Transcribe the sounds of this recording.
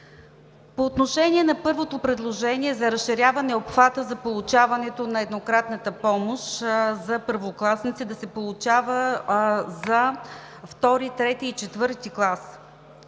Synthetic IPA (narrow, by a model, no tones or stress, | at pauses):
poːt̪noʃɛniɛnɐpɤɾvot̪opɾɛd̪lˠoʒɛniɛzɐɾɐsʃiɾʲjavɐnɛopxvat̪əzɐpolˠut͡ʃavɐnɛt̪onɐɛd̪nokɾat̪nət̪əpɔmoʃzɐpəɾvoklˠasnit̪sid̪ɐsɛpolˠʊt͡ʃavə | zɐ | ft̪ɔɾit̪ɾɛt̪iːt͡ʃɛt̪vɤɾt̪iklˠas